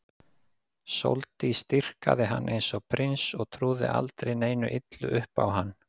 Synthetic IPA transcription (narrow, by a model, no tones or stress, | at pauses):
so̰wlt̪ɪist̪ir̥ka̰ðɪɦanːʔejnsɔɣpʰɾɪnsɔɣt̪ʰɾuːðɪ̰ʔa̰lt̪ɾejneːjnʏʔɪt̪lʏʔʏhpa̰wɦanː